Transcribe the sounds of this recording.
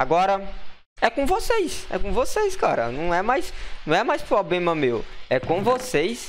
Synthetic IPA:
aɡɔɾɐ | ɛkõvosejsɛ̰kõvosejskaɾɐ̰nɐ̃w̃ɛmajsnɐ̃w̃ɛmajspɾɔblẽmɐmewɛkõvosejs

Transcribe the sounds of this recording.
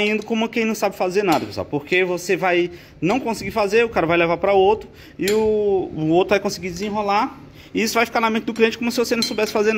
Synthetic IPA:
ĩnd̪ʊkõmʊɐkẽj̃nɐ̃w̃sabɪfazeɾnad̪ɐpeswa̰wpoɾkevosevaj | nɐ̃w̃kõsiɡiɾfazeɾʊkaɾɐvajlevapɾɐowt̪ɾʊ | ɪʊ | owt̪ɾʊvajkõsɪɡid͡ʒɪzĩɦola | ɪisʊvajfi̥kaɾnɐmẽnt͡ʃɪd̪ʊkliẽt͡ʃɪ̥kõmʊsɪvosenɐ̃w̃sobɛsɪ̥fazeɾn

